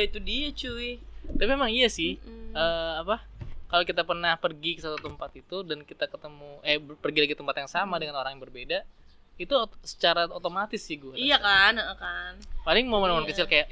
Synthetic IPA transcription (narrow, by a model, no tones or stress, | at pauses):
ait̪udiat͡ʃuit̪apimemaŋijasɪhəːapakalokit̪apərnahpərɡikəsat̪ut̪əmpat̪it̪udankit̪akət̪əmuapərɡilaɡit̪əmpat̪jaŋsamadəŋanoɾaŋjaŋbərbeda | it̪usə̥t͡ʃaɾaot̪omat̪ɪsːɪhɡuaijakanəʔəkanpalɪŋmomənmomɔnkət͡ʃɪlkajaʔ